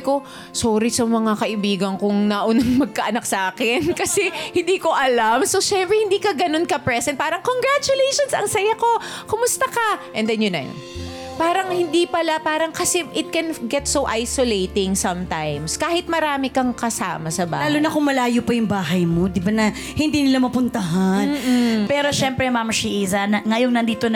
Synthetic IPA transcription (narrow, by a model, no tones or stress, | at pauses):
ko̞ | soːɾɪsɐmɐŋakɐʔɪbiːɡɐŋkʊŋnɐʔonɐŋmɐɡ̚kɐʔɐnɐk̚sɐʔaːkɪnkɐsɛhɪnd̪iːko̞ʔɐlamsoʃɛmpɾɛhɪnd̪iːkɐɡɐno̞nkɐpɹɛsɛnt̪̚paːɾɐŋkoŋɡɹat͡ʃʊlejʃonsɐŋsɐjako̞ | kʊmʊst̪ɐkɐʔɛnd̪ɛnjʊnːɐ̰jo̰n | paːɾɐŋhɪnd̪ipɐlapaːɾɐŋkɐsɛʔɪt̪̚kɛnɡɛt̪sowʔajsolejt̪ɪŋsɐmt̪a̰jmskaːhɪt̪̚mɐɾaːmɪkɐŋkɐsa̰ːmɐsɐba̰laːlonɐkʊŋmɐlaːjopɐjʊŋbaːɦɐjmod̪ɪbanɐ | hɪnd̪iːnɪlamɐpʊnt̪ɐɦan̩ːpɛːɾo̞ʃɛmpɾɛmamʃiʔiːzɐnɐŋɐjoŋnɐnd̪iːt̪on